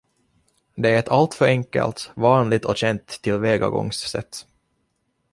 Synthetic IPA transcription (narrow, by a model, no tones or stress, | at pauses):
d̪ɛæɾɛt̪ʰalt̪fœɾɛŋkɛ̰lt̪vɑːnlɪt̪ɔɕɛnt̪ʰːɪlveːɡa̰ɡɔ̰ŋsːɛ̰t̪ː